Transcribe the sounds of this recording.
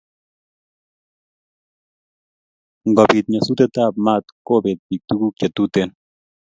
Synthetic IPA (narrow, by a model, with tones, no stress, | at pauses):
ŋɡa˨bi˨t̪̚ɲa˨su˦t̪a˦t̪a˦˨b̚ma˦˨t̪ko˦be˨t̪̚bi˨k̚t̪u˦ɡu˦k̚t͡ʃa˨t̪u˦t̪e˦n